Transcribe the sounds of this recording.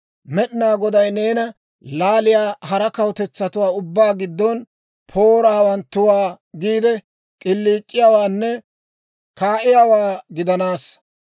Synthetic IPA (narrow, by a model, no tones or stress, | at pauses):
mɛɗɪnaːɡɔd̪ɐjne̞ːnɐ | laːlɪjaːɦɐɾɐkɐwt̪ɛt͡sːɐt̪ʊwaːʊbːaːɡɪd̪ːɔn | pʰoːɾaːwɐnt̪ːʊwaː | ɡiːd̪ɛ | kʼɪlːiːt͡ʃʼːɪjawaːnːɛ | kaːʔɪjaːwaːɡɪd̪ɐnaːs